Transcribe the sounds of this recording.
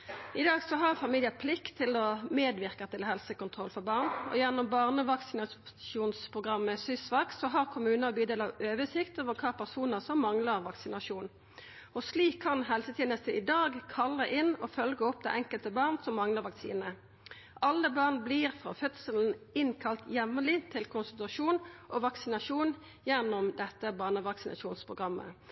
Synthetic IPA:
ɪd̪ɑːɡsɔɦɑʁfɑmiljət̪̚pʰlɪkt̪ʰːɪlɔmeːd̪ʋɪʁkɑt̪ɪlɦɛlsəkʊnt̪ʰʁɔlfɔbɑːʁnɔ̰jæʁnʊmbɑʁnəʋɑksɪnɑʃuːnspʰʁʊɡʁɑmːəsʏsʋɑk̪sɔɦɑʁkʰʊmʉːnəʁbyːd̪eːlɑøːʋəsɪkt̪oːʋəʁkʰɑːpʰæʁsuːnəʁsɔmːɑŋləʁʋɑksɪnɑʃuːn | ɔsliːkʰːɑnɦɛlsət̪ʰiːnəst̪əɪd̪ɑːɡkʰɑlːəʔɪnɔfœlɡəɔp̚ːd̪ɛ̰ʔɛŋkəlt̪əbɑːʁnsɔmːɑŋləʁʋɑksḭːnə | ʔɑlːəbɑʁnbliʁfʁɑ̰ːfœt̪səln̩ɪnkʰɑlt̪jɛʋlɪt̪ʰɪlkʰʊnsənt̪ɾɑʂuːnʔɔʋɑksɪnɑʂuːn | jɛnːʊmd̪ɛt̪ːəbɑːʁnəʋɑksɪnʔɑ̰ʃuːnspʰʁʊɡʁɑmːə̰

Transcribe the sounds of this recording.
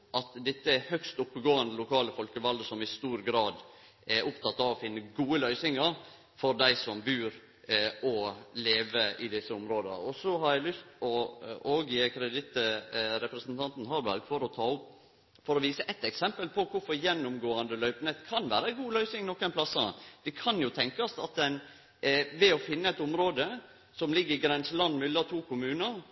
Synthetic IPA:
ʔɑt̪d̪ɛt̪ːəhœkst̪ʊpːəɡoːɑnd̪əlʊkʰɑːləfɔlkəʋɑld̪əsɔmɪst̪uːɾɡɾɑːd̪ | ɛɾʔʊpt̪ʰɑt̪ːɑʋɔfɪnːəɡuːəlœʏsɪŋəɾ | fɔɾd̪æɪsɔmbʉːɾ | ɔleːʋəɪd̪ɪsːəʊmɾoːd̪̰ɔsɔɦɑɾjæɪlʏst̪ɔoːɡjekʰɾɛd̪ɪt̪ɾɛpɾəsnt̪ʰɑnt̪n̩ɦɑɾbæ̰ɾɡfɔɾɔt̪ʰɑːʊp | fɔɾɔʋiːsəʔɛt̪ːɛksɛmpəlpʰɔkʰʊɾfɔɾjɛnːʊmɡoːɑnd̪əlœʏpnet̪kʰɑnʋæːɾəɛɡuːlœʏsɪŋnɔkːənpʰlɑsːɑd̪̥ɛkʰɑnjʊt̪ʰɛŋkɑsɑt̪̚ɛn | ʋɛɔfɪnːəɛt̪ʊmɾoːd̪ə | sɔmlɪɡːəɾɪɡɾɛnsəlɑnd̪mʏlːɑt̪ʰuːkʰʊmʉːnəɾ

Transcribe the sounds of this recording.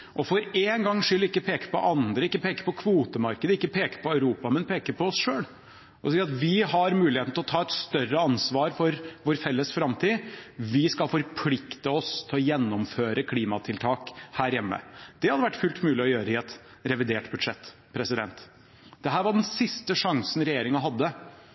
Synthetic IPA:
ʔɔfɔɾeːnɡɑŋːʂʏlːɪkːəpʰeːkə̥pɔ̰ʔɑnd̪ɾəɪkːəpʰeːkə̥pɔkʰʋuːt̪əmɑɾkəd̪əɪkːəpʰeːkə̥pʰɔœʉɾuːpɑmɛnpʰeːkəpʰɔɔsʂøːl | ʔɔsiːɾɑt̪ʋɪhɑɾmʉːlɪeːt̪n̩t̪ʰɪlɔt̪ʰɑːɛt̪st̪œrəɑnsʋɑːɾfɔɾʋoːɾfɛlːəsfɾɑmt̪ʰiːʋɪskɑlfɔɾpʰlɪkt̪əɔst̪ʰɪlɔjɛnːɔmføːɾəkʰliːmɑt̪ʰɪlt̪ʰɑːkhæːɾjɛmːə̰d̪̥ɛhɑd̪əʋæʈːfʉlt̪mʉːlɪɔjøːɾəɪɛt̪ | ɾɛʋɪd̪eːʈbʉd̪ʂɛt̪ː | pʰɾɛsɪd̪ɛ̰nt̪ | d̪̥ɛɦæːɾʋɑɖɛnsɪst̪əʂɑŋsən̩ɾɛjeːɾɪŋɑɦɑd̪ːə

